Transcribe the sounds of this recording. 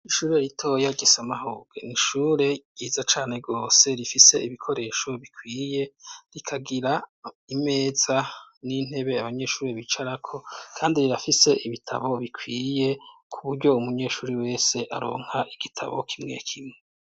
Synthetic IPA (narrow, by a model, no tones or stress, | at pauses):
iʃuːɾeɾitʰo̞ːjaɡesamaɦoːɡḛniʃuːɾe̞ɡ̥iːzat͡ʃaːne̞ɡo̞ːse̞ɾifise̞iβikʰo̞ɾe̞ːʃo̞βikʰwiːje̞ɾikʰaɡiɾa | ime̞ːz̥anin̥e̞βe̞aβaɲe̞ʃuːɾeβit͡ʃaɾakʰo̞kʰaːndiɾiɾafise̞ʔiβitʰa̰βo̞βikʰwiːje̞kʰuβuɾɟo̞umuɲe̞ʃuːɾiwe̞ːse̞ʔa̰ɾo̞̰ːŋ̥haʔiɡ̥itʰa̰βo̞kʰimŋe̞̰kʰimŋe